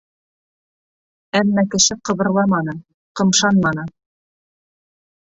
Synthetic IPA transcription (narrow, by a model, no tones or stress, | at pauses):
æmːækɘ̆ʃɘqɤ̆βɤ̆ɾlˠɑmɑnɤ | qɤ̆mʃɑnmɑnɤ